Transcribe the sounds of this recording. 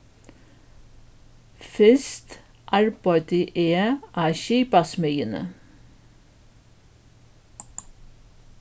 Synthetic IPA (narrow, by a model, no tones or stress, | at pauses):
fɛst̪ | ʔɑɹbɑɪt̪əʔeːʔæːʃiːpɑsmœʏənə̰